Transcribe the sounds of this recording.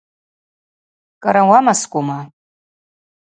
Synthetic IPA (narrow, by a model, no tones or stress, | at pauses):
kʼaɾawamaskʷʼuma